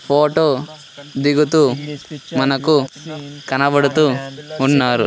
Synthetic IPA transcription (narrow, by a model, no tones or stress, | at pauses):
pʰoːʈo | d̪iɡut̪u | mɐnɐkːukɐnɐʋɐɽut̪uuɳːaːɾṵ